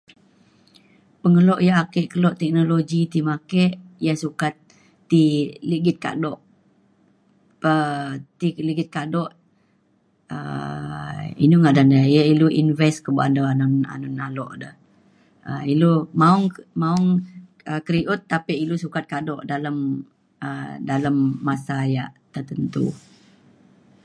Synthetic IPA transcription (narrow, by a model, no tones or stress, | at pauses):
pəŋəlɔʔjaakɛʔkəlɔʔt̪ɛk̚noloɡit̪imakɛʔjasukat̪̚ː | iliɡɪt̪̚ka̰dɔʔ | ət̪iliɡɪt̪̚kadɔʔ | ə̰ | ḭnuŋadandəjəiluʔinvɛskəbuʔa̰ndaanɔna̰nɔnalɔʔdəh | ə̰ilumaʊŋmauŋ | əkəɾiʔʊt̪ːapiʔilusukat̪̚kadɔʔdaləm | ədaləmːasajaʔt̪ərt̪ənt̪ṵ